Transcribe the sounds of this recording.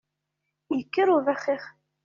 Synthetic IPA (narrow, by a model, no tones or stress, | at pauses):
jəkːəɾuvæχːiχ